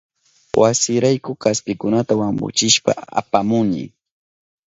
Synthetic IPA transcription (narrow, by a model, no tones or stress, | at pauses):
wʔasɪɾajkʊkaspɪkʊnat̪awambʊ̰t͡ʃɪʃpa̰a̰pamʊŋnɪ̰